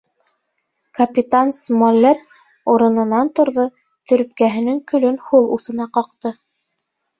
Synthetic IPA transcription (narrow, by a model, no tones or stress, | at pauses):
kɐpʲit̪ansmolʲːet̪̚ | uɾɤ̆nɤ̆nɑnt̪ŏɾðɤ | t̪ɵ̆ɾɵ̆p̚kæɦɘ̆nɘŋkɵ̆lɵnhulˠusɤ̆nɑqɑq̚t̪ɤ